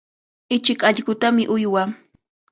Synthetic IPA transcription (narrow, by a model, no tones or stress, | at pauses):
ɪt͡ʃɪkaʎɢʊt̪amɪʔʊjwa